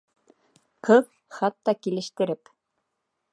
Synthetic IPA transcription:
qɤw | χɑt̪ːɑkilɘ̆ʃt̪ɘ̆ɾɘp

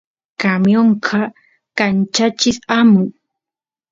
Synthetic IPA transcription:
kamjoɴqʰɑ | kant͡ʃat͡ʃɪsamʊj

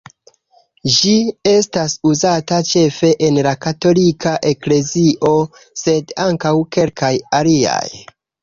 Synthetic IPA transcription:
d͡ʒie̞stasuzatat͡ʃe̞fe̞ʔenlakato̞likaʔe̞kle̞ziʔo̞ | se̞daŋkawke̞lkʰajalia̰j

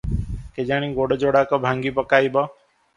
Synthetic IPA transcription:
ked͡ʒaːɽ̃ĩːɡoːɽd͡ʒoːɽaːkɔbʱãːŋɡiːpəkaːiːbɔ

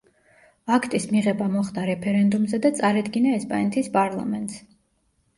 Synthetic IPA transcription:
akʰt̪ʼismiʁɛbamɔχd̪aɾɛpʰɛɾɛnd̪umzɛd̪at̪sʼaɾad̪ɡinaɛspʼanɛt̪ʰispʼaɾlˠa̰mɛnt̪ʼs

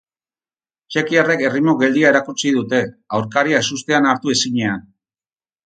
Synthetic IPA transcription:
t͡ʃe̞kiare̞ke̞rimo̞ɣe̞ld̪iae̞ɾakut͡sið̞ut̪e̞awɾkaɾiaesust̪e̞anaɾt̪ue̞siɲe̞an

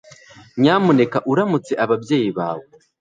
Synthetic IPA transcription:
ɲaːmune̞kaʔuɾamut͡se̞ʔaβavje̞ːjiβa̰ːwe

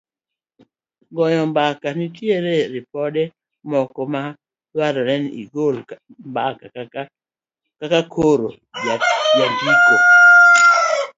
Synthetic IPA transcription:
ɡɔjɔmbakanitjeɾeɾipɔdɛ | mɔkɔma | lwaɾaɾɛnḭɡol | mbaka | kakakʰoɾo | aɡjaɡiko

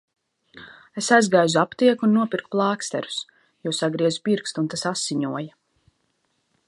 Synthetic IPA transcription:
esajzɡajzuapt̪iɛkunːuɔpʲiɾk̚plˠɑːkst̪ɛ̰ɾu̥s | jusaɡɾiɛzupiɾkst̪unt̪asasːiɲuɔja

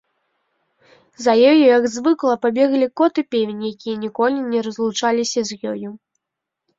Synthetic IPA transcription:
zɐjɔjujɐɡzvɨklˠɐpabʲɛɣlʲikɔt̪ɨpʲevʲenʲjakʲijɐnʲikɔlʲinʲɛɾɐzlˠut͡ʂalʲisʲɐzʲjɔju

